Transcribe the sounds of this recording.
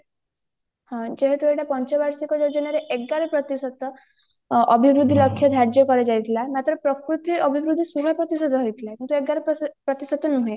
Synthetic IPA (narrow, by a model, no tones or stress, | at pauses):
hɔ̃d͡ʒeɦet̪ueʈapɔnt͡ʃɔbaɾsikɔd͡ʒɔd͡ʒɔnaɾeʔeɡɡaɾɔpɾɔt̪isɔt̪ɔ | ɔbʱibɾud̪ʱːilɔkʰjɔd̪ʱaɾd͡ʒjɔkɔɾed͡ʒajt̪ʰilamat̪ɾɔpɾɔkɾut̪iɔbʱibɾud̪ʱːisubʱapɾɔt̪isɔt̪ɔɦojt̪ʰilakint̪ueɡɡaɾɔpɾɔt̪isɔt̪ɔnuɦẽ